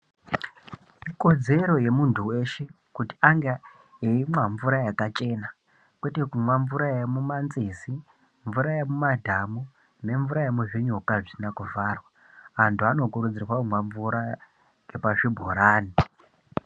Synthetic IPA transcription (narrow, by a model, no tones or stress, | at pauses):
iko̞d͡ze̞ɾo̞je̞muntʰuwe̞ʃe̞ | kuti̥aŋɡe | eimaɱvuɾajakat͡ʃe̞na | kwe̞te̞kumwaɱvuɾajemumanzisi | ɱvuɾajemumadʱamu | ne̞ɱvuɾajemuʐiɲukaʐisinakuvaːrwa | antʰuano̞kuɾud͡zirwamwaɱvuɾa | ɡepaʐibʱoɾaːni